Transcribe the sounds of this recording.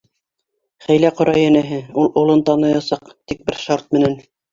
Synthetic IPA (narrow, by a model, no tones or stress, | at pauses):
χæjlæqŏɾɑjænæɦɘulˠŏlˠɤnt̪ɑnɤjɑsɑqt̪ik̚bɘɾʃɑɾt̪̚mɘ̆næn